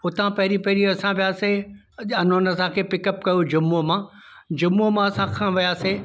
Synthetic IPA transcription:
ʊt̪ãpɐɦɪɾipɐɦɪɾiɐsãʋijaːse | ɐnonɐsãkʰeːpɪkəpkɐjod͡ʑʊmomã | d͡ʑʊmomãɐsãkʰãːʋijaːse

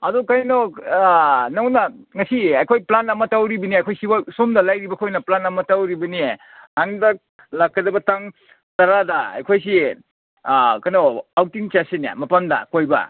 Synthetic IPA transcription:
ɐdukajnɔ | nawnɐŋɐsiajkʰojplanɐmɐtawɾibɐniajkʰojsiwasumdɐlajɾibɐkʰojnɐplanɐmɐtawɾibɐnie | aŋdɐ | lakʰːɐdɐbɐtaŋ | tɐɾadɐa̰jkʰojs̬i | kanoawtiŋt͡ʃasenja̰mɐpandɐ̰kojbɐ̰

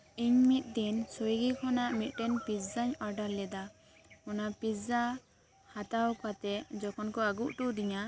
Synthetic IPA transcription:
iɲmit̪̚ˀd̪insojɡikʰɔnaʔmit̪̚ˀʈɛnpiszaɲɔɾɖaɾlɛd̪a | ɔnapisza | hat̪awkat̪ɛd͡ʒɔkʰɔnkɔaɡuʔʈuʔd̪iɲa

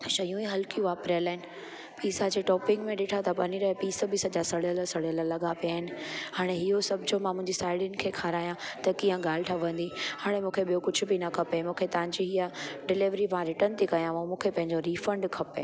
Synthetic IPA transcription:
ʃɐjũiɦɐlkijũʋaːpɾəlaːɦɪnɪ̆ | piːsad͡ʑeːʈɔːpɪ̃ŋɡmẽɗeːʈʰat̪ʰɐpɐniɾɐɦepiːsəbiːsəd͡ʑasɐɽijəlsɐɽjələlɐɠapijaːɦɪnɪ̆haːɽ̃eɦiɦosɐbʱd͡ʑomãmʊ̃ɦɪ̃ɲd͡ʑisaːɪɖɪnɪ̆kʰeːkʰaːɾaːjãt̪ɐkijə̃ɡaːl̤ɪʈʰaʋɐ̃n̆d̪ihaːɽ̃emũːkʰeɓijokʊd͡ʑʱʊ̆binɐkʰɐpemũːkʰet̪ɐʋ̤ãɲd͡ʑiɦiəɖɪlɪʋɾiʋãɾɪʈənɪt̪ʰikɐjãʋũmũːkʰepɐ̃ɦɪɲd͡ʑoɾiːfɐ̃ɳɖkʰɐpḛ

